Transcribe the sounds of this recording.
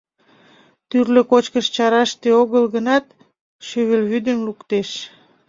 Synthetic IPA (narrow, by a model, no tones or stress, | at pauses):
t̪yrløkot͡ɕkəʃt͡ɕɑɾɑʃt̪eoɣəlɣənɑt̪̚ | ʃøβelβyd̪ənlukt̪eʃ